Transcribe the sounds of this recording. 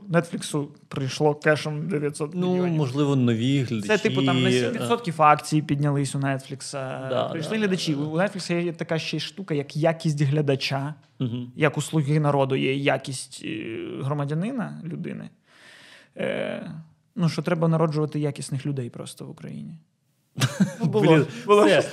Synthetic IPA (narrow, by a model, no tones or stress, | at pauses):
nɛt̪fʲlʲiksʊ | pɾɪjʃlˠɔkɛʃɔmd̪eʋʲjɐt̪sɔt̪knumɔʒlˠɪʋɔnɔʋʲiɦlʲɐd̪sɛt̪ɪpʊmɛʋʲit̪sɔt̪kʲifɑkt͡sʲijipʲidʲnʲɐlˠɪsʲʊnɛt̪flʲiksɐd̪̰pɾɪjʃlˠɪɦlʲɐd̪ɐt͡ʃiːnɛt̪fʲlʲɪksɐjɛjɛt̪ɐkaʃt͡ʃɛʃt̪ukɐjɐkjakʲisʲtʲɦlʲɐd̪ɐt͡ʃa | ɦ̩jɐkʊslˠʊɣɪnɐɾɔd̪ʊjɛjakʲisʲtʲɦɾɔmɐdʲɐnɪnɐlʲʊd̪ɪ̰nɪ̰ | nuʃt͡ʃɔt̪ɾɛbɐnɐɾɔd͡ʒʊʋɐt̪ɪjakʲisʲnɪxlʲʊd̪ɛjpɾɔ̰st̪ɔʋʊkɾɐ̰jḭnʲi | bʊlˠɔbʊlˠɔ